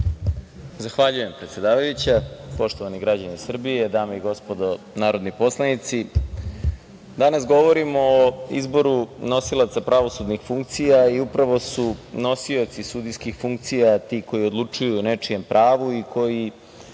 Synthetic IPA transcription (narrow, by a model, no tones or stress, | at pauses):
zaxʋaʎuje̞mpɾe̞t̪se̞d̪aːʋajut͡ɕapo̞ʃt̪oaniɡɾad͡ʑanisr̩bie̞d̪aːmaiɡo̞spo̞d̪o | naːɾod̪nipo̞slˠanit̪si | d̪anasɡo̞ʋo̞ɾimo̞ːḭzbo̞ɾuno̞silˠat̪sapɾaʋo̞sud̪nixfuŋk̚t̪sijaiupɾaʋo̞suno̞sio̞t̪sisud̪ijskixfuŋk̚t̪sijat̪iːko̞jiod̪lˠut͡ʂujune̞t͡ʂije̞mpɾʔaːʋuikʰo̞ji